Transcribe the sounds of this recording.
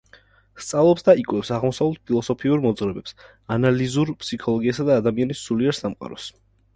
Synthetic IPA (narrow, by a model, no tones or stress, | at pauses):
st̪sʼavlˠɔpsd̪aikʼwɛpsaʁmɔsavlɛt̪̚pʰilˠɔsɔpʰiuɾmɔd̪zʁɾɛbɛps | analizuɾpʰsikʰɔlˠɔɡiasad̪aːd̪amianisuliɛɾsamqʼa̰ɾɔs